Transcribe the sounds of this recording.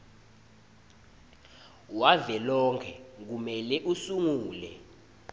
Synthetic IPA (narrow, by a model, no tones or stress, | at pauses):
wavɛlɔŋkʰɛk̬umɛlɛʔusuŋuːlɛ̰